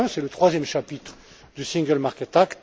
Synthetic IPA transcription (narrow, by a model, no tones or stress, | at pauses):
sɛlət̪χwazjɛmʃapit̪χ | d̪ysĩŋɡəlmaʁkʲɛt̪akt̪